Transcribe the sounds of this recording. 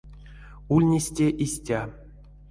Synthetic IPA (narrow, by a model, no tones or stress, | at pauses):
ulʲnʲesʲtʲeʔisʲtʲa